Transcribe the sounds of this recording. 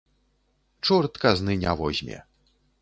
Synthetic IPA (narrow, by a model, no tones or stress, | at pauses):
t͡ʂurt̪kaznɨnʲavɔʑʲmʲɛ̰